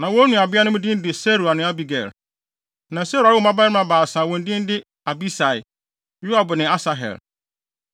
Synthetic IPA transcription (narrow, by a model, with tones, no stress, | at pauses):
nã˨wɔ̃˦nũ˨a˨bɪ˦a˦nʊ̃˦m˦dɪ̃˦n˦dɪ˨se˦ɾu˨a˨nɪ̃˨˦a˦bi˨ɡɛ̰˨ɾ | nã˨se˦ɾu˨a˨ɪ˦ɔ˦˨ma˦ba˦ɪ˦ã˦baː˨sãː˨wɔ̃˨n̩˦dɪ̃˦n˦dɪ˦ | a˨bi˦sa˨ɪ̰˨ | ju˦a˨bʊ˨nɪ̃˨a˦sa˨ɦɛ̰˨l